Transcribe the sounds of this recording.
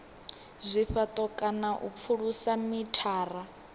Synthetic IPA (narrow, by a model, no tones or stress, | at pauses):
zʷiɸat̪ʼɔkʼanaʔṵp̪fʰuɺusamitʰaːra